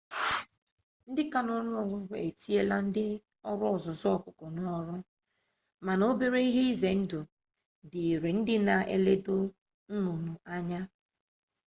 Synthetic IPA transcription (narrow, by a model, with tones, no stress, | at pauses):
n̩˦dɪ˦ka˨nɔ˨˦ɾʊ˦ɔ˨ɾʊ˦ɡʷe˨e˨ti˦e˦la˦n̩˦dɪ˦ | ɔ˦ɾʊ˦ɔ˨zʊ˨zɔ˦ɔ˦kʊ˨kɔ˨nɔ˦ɾʊ˦ | ma˨no˦be˦ɾe˦i˦ɦe˦i˦ze˨n̩˦dʊ˨ | dɪ˨ɾi˨n̩˦dɪ˦na˨ḛ˦le˦do˦ | n̩˦nu˨nu˨a˦ɲa˦